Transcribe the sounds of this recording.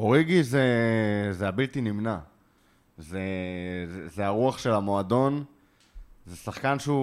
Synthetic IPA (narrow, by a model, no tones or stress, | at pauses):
oʁiɡizezeabilt̪inimna | zezezeaʁuaχʃe̞lamo̞ad̪o̞n | zesaχkanʃeu